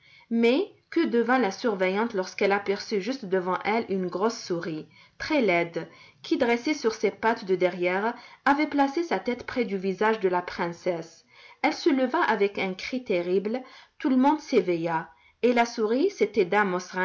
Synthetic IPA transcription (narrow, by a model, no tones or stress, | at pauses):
mɛkəd̪əvɛ̃lasyʁvɛjɑ̃t̪lɔʁskɛlapɛʁsyʒyst̪d̪əvɑ̃ʔɛlynɡʁɔsːuʁi | t̪χɛlɛd̪kʰʲid̪ʁesesyʁsepat̪d̪əd̪ɛʁjɛʁavɛplasesat̪ɛt̪pχɛd̪yvizaʒd̪əlapχɛ̃sɛs | ɛlsələvaʔavɛkɛ̃kχit̪eʁiblt̪uləmɔ̃d̪seveja | elasuʁiset̪ɛd̪amɔsʁɛ̃